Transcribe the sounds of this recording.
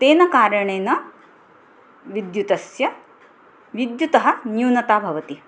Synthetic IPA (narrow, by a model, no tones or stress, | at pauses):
t̪eːnɐkaːɾɐɳeːnɐ | ʋid̪jut̪ɐsjɐ | ʋid̪jut̪ɐɦɐ̆njuːnɐt̪aːbʱɐʋɐt̪i